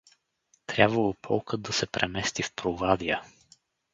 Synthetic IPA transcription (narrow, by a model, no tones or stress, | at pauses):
t̪ɾʲabvəlˠopʰɔlˠkəd̪̚d̪ɐsɛpɾɛmɛst̪ifpɾovad̪iə